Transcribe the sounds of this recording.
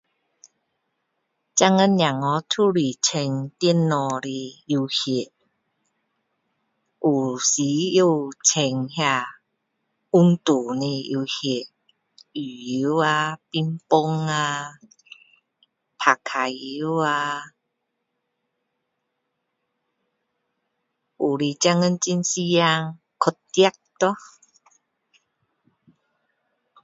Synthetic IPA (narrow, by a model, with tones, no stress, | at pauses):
t͡ɕa˥˧ŋə˦njã˨˩ŋɔ˨˧˦tʰu˦li˨˩t͡ɕʰe˧ŋt̪i˦˧˦nːɔ˧˩ɾi˧i˧hi˨˩t | ʔu˨˩si˨˦u˧t͡sʰe˧ŋhja˧ | u˦˧ŋt̪u˨˩nĩ˧i˧hi˨˩t | y˨˩ji˨˦a˧pi˧mpo˧ŋa˧ | pʰa˨˩kʰa˨˩i˨˦a˧ | u˨li˧˩t͡ɕja˧ŋə˧nt͡ɕi˧˦nsi˦a˧ŋ | kʰo˧˩t̪ja˦k̚t̪ɔ˦